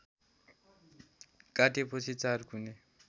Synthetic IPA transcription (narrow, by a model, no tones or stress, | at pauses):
kʼatepʰosit͡saɾkune